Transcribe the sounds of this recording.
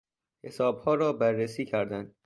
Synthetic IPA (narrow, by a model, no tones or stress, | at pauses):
he̞sɒːbhɒːɾɒːbærːesiːcʰæɾd̪ænd̪̥